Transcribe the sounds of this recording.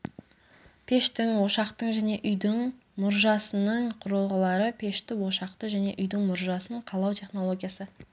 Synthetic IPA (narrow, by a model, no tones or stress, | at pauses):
pʰe̞ʃt̪ɪŋwo̞ʃɑqt̪əɴʒæne̞ʔʏjd̪ɪŋ | mʊɾʒɑsənəɴqʰʊɾəlˠʁɑlˠɑɾəpʲʰe̞ʃt̪ɪwo̞ʃɑqt̪əʒæne̞̰ʔʏjd̪ɪŋmʊɾʒɑsəɴqʰɑlˠɑwt̪ʰe̞χno̞lˠo̞ɡʲijasə